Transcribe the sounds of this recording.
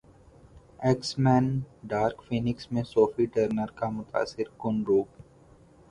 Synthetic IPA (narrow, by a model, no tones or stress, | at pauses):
ɛksmɛ̃ːnɖaːɾkfiːnɪksmẽsoːfiʈəɾnəɾkamʊt̪a̰ːsːɪɾkʊnɾuːp